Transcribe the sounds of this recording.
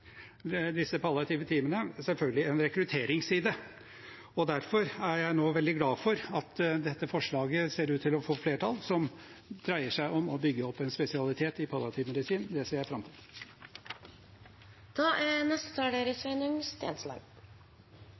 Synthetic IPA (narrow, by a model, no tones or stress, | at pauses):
d̪ɪsːəpʰɑlːɑt̪ʰɪʋət̪ʰiːmənəsɛlfœlɡəlɪɛnɾɛkɾʉt̪ʰeːɾɪŋsiːd̪ə | ɔd̪æɾfɔɾæɾjæɪnoːʋɛld̪ɪɡlɑːfɔɾɑt̪d̪ɛt̪ːəfɔʂɭɑːɡəseːɾʉːt̪ʰːɪlɔfoːfleːʈʰɑlsɔm | d̪̥ɾæɪəʂæɪʔɔmɔbʏɡːəɔpːɛnspɛsɪɑlɪt̪ʰeːt̪ɪpʰɑljɑt̪ʰɪːʋmɛd̪ɪsiːnd̪ɛseːɾjæɪfɾɑmt̪ʰɪd̪ | d̪̥ɑːʔænɛst̪ə̥t̪ʰɑːɖeɾəsʋɛnʊŋst̪ḛːnslɑ̰ːɡ